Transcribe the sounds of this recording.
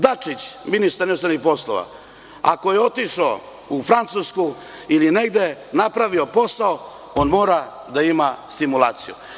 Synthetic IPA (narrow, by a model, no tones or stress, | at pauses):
d̪at͡ʂit͡ɕminist̪aɾɛnust̪ɾaɾnixpo̞slˠo̰ʋa̰ | a̰ko̞je̞o̞t̪iʂo | ufɾant̪susku | iline̞ɡd̪e̞napɾaʋio̞po̞sao | o̞nmo̞ːɾa | d̪aimast̪imulˠaːt̪sijṵ